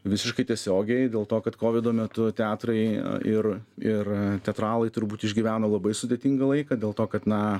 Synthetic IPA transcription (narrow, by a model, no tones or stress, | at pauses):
ʋʲɪsʲɪʃkɐɪt̪ʲiɛsʲoːɡʲɛɪd̪ʲeːlˠt̪oːkɐt̪koːʋʲɪd̪oːmʲɛt̪ʊt̪ʲɑːt̪ɾɐɪɪrɪrt̪ʲɛt̪ɾɑːlˠɐɪt̪ʊɾbuːt̪ɪʒʲɡʲiʋʲæːnolˠɐbɐɪsʊd̪ʲeɛt̪ʲiŋɡɐlˠɐɪkɐd̪ʲeːlˠt̪oːkɐt̪nɐ